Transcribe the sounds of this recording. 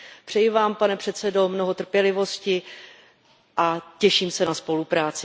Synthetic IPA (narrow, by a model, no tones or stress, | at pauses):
pr̝̥ɛjɪvaːmpanɛpr̥ɛt̪t͡sɛdo̞mno̞ɦo̞t̪r̩pjɛlɪvo̞scɪ | ʔacɛʃiːmsɛnaspo̞lupɾaːt͡sɪ